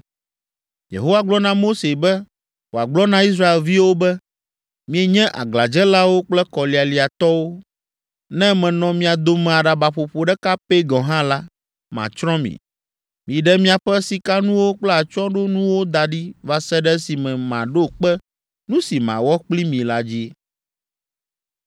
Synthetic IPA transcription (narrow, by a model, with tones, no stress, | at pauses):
jḛ˨ɦo˦wa˨ɡ͡blɔ˦nã˦mo˦se˨bɛ˦ | wo˨a˨ɡ͡blɔ˦nã˦i˦s̬ɾa˦e˨lvi˦wo˦bɛ˦ | mĩ˦e˨ɲɛ̃˦ʔa̰˨ɡla˨d͡ʒɛ˦la˦wo˦k͡plɛ˦kɔ˨li˨a˨li˨a˨t̪ɔ˦wo˦ | nɛ̃˦mɛ̃˨nɔ̃˨mĩ˨a˨d̪o˦mɛ̃˨a˨ɖa˨ba˨ɸo˨ɸo˦ɖɛ˦ka˦pe˦ɡɔ̃˨ɦã˦la˦ | mã̰˨t͡ʃɾɔ̃˦mḭ̃˨ | mĩ˨ɖɛ˦mĩ˦a˨ɸɛ˦si˨ka˦nũ˦wo˦k͡plɛ˦a˨t͡ʃɔ̃˦ɖo˦nũ˦wo˦d̪a˨ɖi˦va˨sɛ˦ɖɛ˦si˨mɛ̃˨mã˨ɖo˦k͡pɛ˦ | nũ˦si˨mã̰˨wɔ˦k͡pli˦mĩ˨la˦d͡ʑi˦